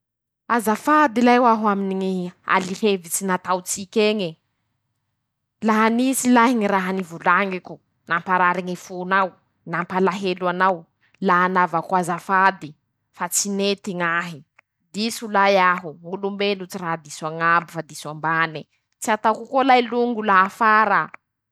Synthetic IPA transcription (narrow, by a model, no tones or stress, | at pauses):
azafad̪ilajwaɦwaminiŋia̰lihevit͡sinat̪awt͡sikʲeŋe | laɦanisilaɦiŋiraɦanivulaŋiku | nampaɾaɾiŋifunaw | nampalaɦeluanaw | laɦanavakwazafad̪i | fat͡sinet̪iŋaɦi | d̪isulajaɦuulumbelut͡siraɦad̪iswaŋabifad̪iswambani | t͡siat̪akukolajluŋɡulaɦafaɾa